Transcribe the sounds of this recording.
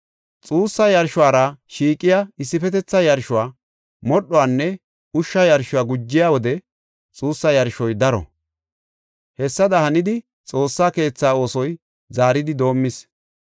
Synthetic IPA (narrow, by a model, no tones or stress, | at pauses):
t͡sʼuːsːɐjɐɾʃʊwaːɾɐʃiːkʼːɪjaɪsːɪfɛt̪ɛt͡sːɐjɐɾʃʊwaː | mɔɗːɔwaːnːɛ | ʊʃːɐjɐɾʃʊwaːɡʊd͡ʒːɪjaːwɔd̪ɛ | t͡sʼuːsːɐjɐɾʃɔjd̪ɐɾɔ̰ | hɛsːɐd̪ɐhɐnɪd̪ɪ | t͡sʼo̞ːsːaːke̞ːt͡sːaːo̞ːsɔj | zaːɾɪd̪ɪd̪o̞ːmːɪs